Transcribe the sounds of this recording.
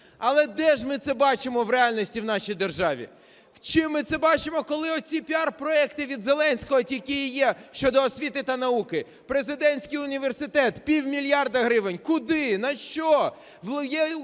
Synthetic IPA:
ɐlˠɛd̪ɛʒmɪt̪sɛbɑt͡ʃɪmɔwɾeɑlʲnʲɔsʲtʲiwnɑʃijd̪erʒɑʋʲḭ | wt͡ʃɪmːɪt̪sɛbɑt͡ʃɪmɔkɔlˠɪɔsʲipʲiɑrpɾɔɛkt̪ɪʋʲid̪zelˠɛnʲsʲkɔɦɔtʲikʲijjɛʃt͡ʃɔd̪ɔːsʲʋʲit̪ɪt̪ɐnɐukɪ | pɾezɪd̪ɛnʲsʲkɪjʊnʲiʋersɪt̪ɛt̪pʲiwmʲilʲjɑrd̪ɐɦɾɪʋenʲkʊd̪ɪnɐʃt͡ʃɔ | jɛ

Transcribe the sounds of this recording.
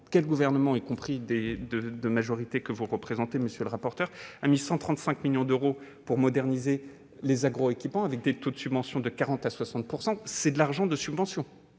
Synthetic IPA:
kʲɛlɡuvɛʁnəmɑ̃ikɔ̃pχid̪ed̪əd̪əmaʒɔʁit̪ekəvuʁəpχezɑ̃t̪eməsjøləʁapɔʁt̪œʁamisɑ̃t̪χɑ̃t̪sɛ̃kmiljɔ̃d̪øʁo | puʁmɔd̪ɛʁnize | lezaɡʁoekʲipmɑ̃avɛk̚d̪et̪od̪əsybvɑ̃sjɔ̃d̪əkaʁɑ̃t̪aswasɑ̃t̪̚puʁsɑ̃sɛd̪laʁʒɑ̃d̪əsybvɑ̃sjɔ̃

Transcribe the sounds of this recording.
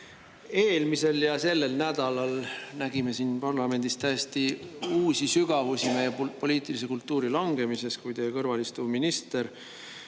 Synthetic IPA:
e̞ːlmise̞ljɑse̞lːe̞lnæd̪̥ɑlɑlnæɡ̥ime̞sinpɑrlɑme̞nd̪̥ist̪æjest̪iuːsisyɡ̥ɑvusime̞jepo̞liːt̪ˑilis̬e̞kult̪ːˑuːɾilɑŋɡ̥e̞mise̞skujt̪ejkɤrvɑlist̪uminist̪e̞ɾ

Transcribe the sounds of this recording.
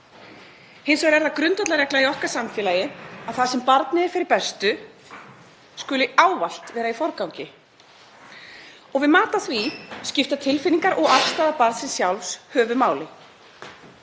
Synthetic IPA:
hɪnsvaɾɛɾðakɾʏnt̪at̪laɾɛklaiɔhkaɾ̥samfjɛːlaːjɪaðθasɛmpaɾt̪nɪɛɾ̥fɪɾɪɾpɛst̪ʏ | skʏːlʏaːwval̥t̪vɛːɾaifɔɾkawɲcɪ | ɔɣvɪðmaːt̪aθviscɪft̪at̪ʰɪlfɪniŋkaɾʔɔɣafst̪aːðapaɾt̪sɛnsjawlfshœːvʏmaːwlɪ

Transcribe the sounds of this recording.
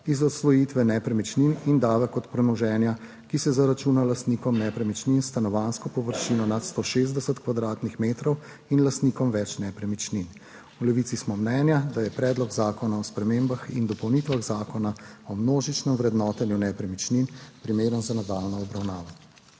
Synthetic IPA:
izɔt̪sʋɔjit̪ʋɛnɛpɾɛmit͡ʃninind̪aːʋɛkɔt̪pɾɛnɔʒɛːnja | kisɛzaɾat͡ʃuːnalast̪niːkɔmnɛpɾɛmit͡ʃninst̪anɔʋanskɔpɔʋəɾʃinɔnat̪st̪oʃezd̪ɛsət̪kʋad̪ɾaːt̪nixmeːt̪ɾɔw | inlast̪nikɔmʋɛt͡ʃnɛpɾɛmit͡ʃnin | ulɛʋiːsismɔmnɛːnjad̪ajɛpɾɛːd̪lɔɡzaːkɔnaɔspɾɛmeːmbaxḭnd̪ɔpɔwniːt̪ʋaɣzaːkɔnaɔmnoːʒit͡ʃnɛmʋɾɛd̪nɔːt̪ɛnjunɛpɾɛmit͡ʃninpɾimeːɾənzanad̪aːlnɔɔbɾawnaːʋa

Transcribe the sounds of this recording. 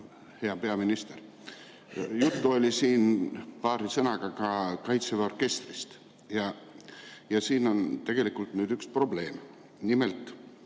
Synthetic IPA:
he̞ɑpe̞ɑminist̪eɾ | jut̪ːuo̞lʲisiːnpɑːɾisɤnɑɡ̥ɑkɑkɑjt̪seveo̞rke̞st̪rist̪ | jɑ | jɑsiːno̞nt̪e̞ɡ̥e̞likˑult̪nyːd̪ykspro̞ble̞ːm | nimelt̪ˑ

